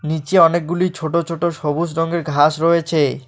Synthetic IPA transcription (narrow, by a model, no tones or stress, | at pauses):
nit͡ɕeɔnek̚ɡulit͡ɕʰoʈot͡ɕʰoʈoʃobusɾɔŋɡeɾɡʱaʃɾoet͡ɕʰe